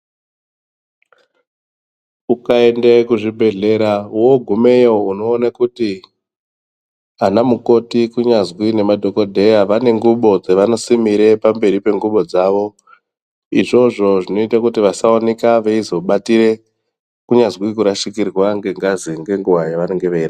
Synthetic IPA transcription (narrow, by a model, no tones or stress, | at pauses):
ukaendekuʐibʱe̞ɮe̞ɾauwoɡʱume̞jouno̞ːnakuti | anamuko̞tikuɲazwine̞madʱo̞ko̞dʱe̞jaʋane̞ŋɡuɓo̞d͡zeʋano̞simiɾe̞pambe̞ɾipe̞ŋɡuɓo̞d͡zaʋo̞ | iʐo̞ʐo̞ʐino̞itakutiʋasaonekaʋeizo̞ɓatiɾe̞ | kuɲazwikuɾaʃikirwaŋɡe̞ŋɡaziŋɡe̞ŋɡuʋajaʋaneŋɡeʋeira